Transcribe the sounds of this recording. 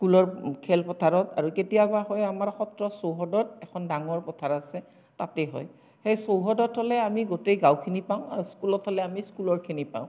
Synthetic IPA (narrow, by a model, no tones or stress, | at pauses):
skulɔɹkʰɛlpɔtʰaɹɔta̰ɹuketijabahɔjamaɹxɔtɹɔsowɦɔdɔt̚ɛkʰɔndaŋɔɹpɔtʰaɹasɛ | tatɛɦɔ̰j | xejsowɦɔdɔthɔlɛamiɡotejɡãwkʰinipaʊ̃a̰ɹuskulɔthɔlɛamiskulɔɹkʰinipa̰ʊ̃